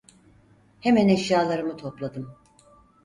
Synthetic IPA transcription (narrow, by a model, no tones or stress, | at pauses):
hemænɛʃjaːlˠaɾɯmɯt̪ʰo̞plˠad̪ɯm